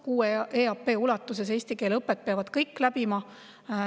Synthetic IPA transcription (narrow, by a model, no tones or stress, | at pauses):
kuːeeɑpːˑe̞ːulɑt̪ːˑuses̬eːsʲt̪ike̞ːlɤpːet̪̚peɑvɑd̪̥kɤjkːlæb̥imɑ